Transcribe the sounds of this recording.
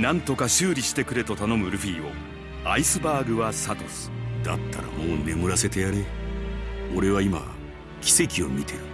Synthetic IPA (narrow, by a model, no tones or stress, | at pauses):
nãnt̪o̞kaɕɨːɾʲiɕi̥t̪e̞kɯ̟ɾe̞t̪o̞t̪ano̞mɯ̟ɾɯ̟ɸʲiːo̞̰ | aisɨbaːɡɯ̟βasat̪o̞sɨ̥d̪a̰t̪ːa̰ɾa̰mo̞ːne̞mɯ̟ɾase̞t̪e̞jaɾe | o̞ɾe̞βaima̰ | kʲi̥se̞kʲio̞mʲit̪ʰe̞ɾɯ̟